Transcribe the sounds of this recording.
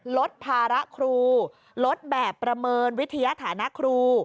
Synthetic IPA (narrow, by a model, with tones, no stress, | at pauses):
lo˦˥t̪̚pʰaː˧ɾa˦˥ʔkʰɾuː˧ | lo˦˥t̪̚bɛː˨˩pːɾa˧mɤː˧nwi˦˥t̪ʰːa˧ja˧˥t̪ʰaː˩˦na˦˥ʔkʰɾuː˧